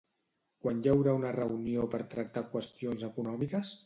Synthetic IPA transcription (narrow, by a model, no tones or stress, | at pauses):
kwanjawɾaunərəuniopəɾt̪ɾək̚t̪akwəst̪ionzəkunɔmikəs